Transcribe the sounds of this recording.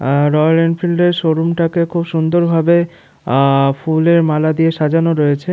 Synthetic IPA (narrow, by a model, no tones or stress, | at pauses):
ɾɔjaɾenɖfʰilɖeɾʃoɾumʈakekʰubʃund̪oɾbʱabe | fuleɾmalad̪ieʃad͡ʑanoɾɔjet͡ɕʰe